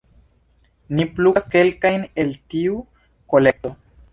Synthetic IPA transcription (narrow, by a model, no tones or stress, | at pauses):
nipluaske̞lkajne̞ltiu | ko̞le̞k̚to